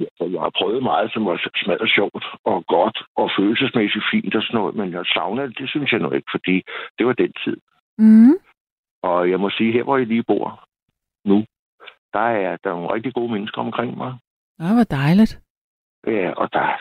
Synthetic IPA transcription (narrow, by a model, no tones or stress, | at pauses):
jæsɒjahɑpʰʁœːð̩ˠmɑ̈ːð̞̩ˠsɒ̽mʋɑ̈smæð̰ˠɒɕɒʊ̰d̥ɒ̽ɡ̥ɒ̽d̥ɒ̽føːl̩səsmesid̥fḭːnd̥ɒ̽snɔ̰ːð̩ˠmenjæsɑ̈ʊnəd̥e̝synsjɑɪnɔe̝ɡ̥ə̥fɒ̽d̥ḭːd̥e̝ʋɑ̈d̥ent͡sʰið̞̰̩ˠ | ʔɒ̽jɑ̈ɪmɒ̽siːɦeɐ̰ʋɒjaliːb̥o̝̰ɐ̰ | nu | d̥ɑ̈æɐd̥ɑ̈noːnʁeɡ̥̚d̥iɡ̥o̝ːmenəsɡ̥ɐɒ̽mkʰʁeŋ̰mɑ̈ɪ | aʋɑd̥ɑɪləd̥ | jæɒ̽d̥ɑ̈